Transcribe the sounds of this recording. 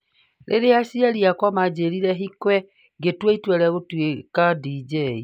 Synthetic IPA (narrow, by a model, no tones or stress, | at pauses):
ɾʔḛɾeasiaɾiakwamad͡ʑeɾiɾɛɦikwɛ | ɡetweitwɛɾɛɣotwekadid͡ʒɛi